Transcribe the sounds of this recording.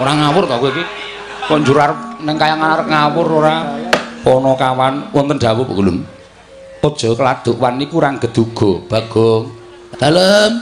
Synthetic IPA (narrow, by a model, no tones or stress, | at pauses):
oɾaŋawʊrt̪ɔkuiki | kɔʔɲd͡ʒuɾarnəŋkajaŋanaɾŋawʊroɾapɔnɔkawanwɔnt̪ənɖ̥awʊbəɡulʊn | ɔd̥ʒ̥ɔ̤kəlad̪̥ʊʔwanːikuɾaŋɡ̥əd̪̥uɡ̥ɔb̥a̤ɡ̥ɔŋ | d̪̥aləm